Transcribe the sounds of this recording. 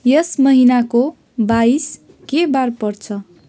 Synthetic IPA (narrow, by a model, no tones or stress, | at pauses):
jʌsmʌɦinako | bais | kebarpʌrt͡sʰʌ